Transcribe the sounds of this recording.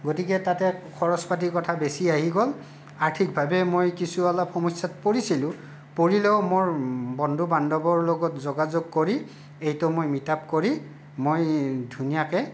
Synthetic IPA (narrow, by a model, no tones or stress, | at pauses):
ɡotikɛtatɛkʰɔɹɔspat̬ikɔtʰabesiaɦiɡɔl | aɹtʰik̚bʱabɛmojkisualapxɔmɔsatpoɹisilʊ̃ | poɹilɛʊmoɹbɔndʱubandɔbɔɹlɔɡɔtzoɡazoɡ̚koɹi | ejtɔmojmitap̚koɹi | mojdʱunijakɛ